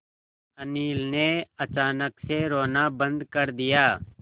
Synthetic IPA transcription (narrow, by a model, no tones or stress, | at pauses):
ɐniːlneɐt͡ʃaːnəkseɾoːnabɐ̃nd̪kɐɾd̪ɪjaː